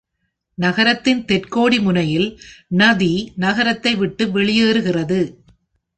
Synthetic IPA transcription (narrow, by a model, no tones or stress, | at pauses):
nɐɣɐɾɐt̪ːɪnt̪ɛrkoːɽimʊnɐjɪlnɐðinɐɣɐɾɐt̪ːɐɪʋɪʈːɯʋɛɭɪjeːɾɯɣɪrɐðɯ